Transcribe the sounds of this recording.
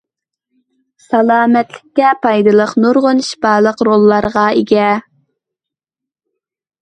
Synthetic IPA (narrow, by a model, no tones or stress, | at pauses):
sɑlˠɑːmɛt̪lɪkʲːɛpʰɑjd̪ɨlˠəqnoɾʁonʃbɑːlˠəqɾolˠːɑɾʁɑeɡʲɛ